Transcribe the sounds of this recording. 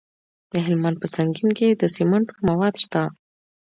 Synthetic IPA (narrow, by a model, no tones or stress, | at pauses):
d̪̥əɦɪlmɑnpəsaŋɡinked̪əsimaɳʈomawɑd̪ʃt̪a